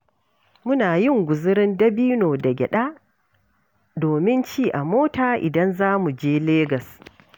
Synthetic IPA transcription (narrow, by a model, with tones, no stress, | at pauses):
mʊ˦naː˨jɪ˦ŋɡʷʊ˨zɪ˦ɾɪ˦ndɐ˦biː˦noː˨dɐ˨ɡʲɛ̰˨ɗaː˦ | doː˨mɪ˦nt͡ʃiː˦ʔa˨moː˦taː˨ʔɪ̰˨dɐ˦nzaː˦mu˨d͡ʒeː˦leː˦ɡɐ˨s